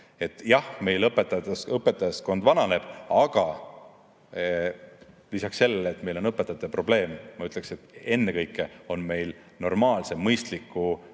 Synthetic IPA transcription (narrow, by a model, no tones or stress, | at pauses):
e̞t̪ːjɑhme̞jlɤpːˑet̪ːˑɑesɤpːet̪ːˑɑjɑsko̞nd̪vɑnɑne̞b̥ɑɡ̥ɑ | lisɑksːe̞lːeleːt̪me̞jlo̞nɤpːet̪ːˑɑt̪ːˑepro̞ble̞ːmːɑyt̪ːˑle̞kse̞t̪ːe̞nːekɤjkːˑeo̞nme̞jl | no̞rmɑːlsemɤjst̪likːˑu